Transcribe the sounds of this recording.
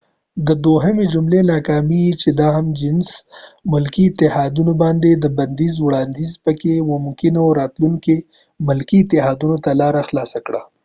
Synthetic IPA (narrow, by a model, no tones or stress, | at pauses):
d̪əd̪oɦəmed͡ʒʊmlenɑkɑmit͡ʃed̪ɑɦamd͡ʒɪnsmʊlkiːt̪ɪhɑd̪unobɑnd̪ed̪əbɐnd̪izwɽɑnd̪izpəkemʊmkɪnoɾɑt̪luŋke | mʊlkiɪt̪ɪɦɑːd̪unot̪alɑɾaxlɑsakɽa